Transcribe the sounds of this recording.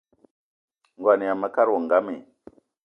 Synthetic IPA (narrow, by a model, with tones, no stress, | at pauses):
ŋɡwa˨ni˨a˨ma˦ka˦ɾo˨ŋ˨ɡa˦mḛ˨